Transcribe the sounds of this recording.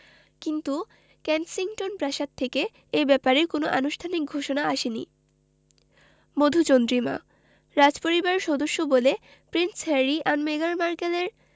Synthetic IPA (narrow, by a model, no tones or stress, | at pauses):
kint̪u | kɛnsiŋʈonpɾaʃad̪̚t̪ʰeke | ebɛpaɾekonoʔanuʃʈʰanik̚ɡʱoʃonaaʃenḭ | mod̪ʱut͡ɕond̪ɾima̰ | ɾad͡ʑpoɾibaɾʃɔd̪oʃːobole | pɾinshɛɾiʔanmeɡaɾmaɾkeleɾ